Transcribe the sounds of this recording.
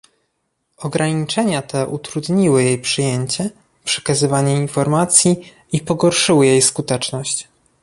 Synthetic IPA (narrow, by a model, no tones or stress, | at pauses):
ɔɡɾaɲit͡ʂɛɲat̪ɛʔut̪ɾud̪ɲiwɘjejpʂɘjeɲt͡ɕɛ | pʂɛ̥kazɘvaɲɛinfɔɾmat̪sʲji | ipɔɡɔɾʂɘwɘjejskut̪ɛt͡ʂnɔɕt͡ɕ